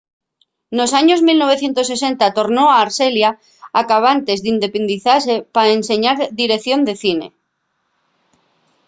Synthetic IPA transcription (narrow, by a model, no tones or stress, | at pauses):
no̞saɲo̞zmilno̞βe̞θje̞nt̪o̞se̞se̞nt̪at̪o̞ɾno̞aːɾselja | akaβ̞ant̪e̞zðind̪e̞pe̞nd̪iθasepaense̞ɲaɾðiɾe̞kθjo̞nd̪e̞θine̞̰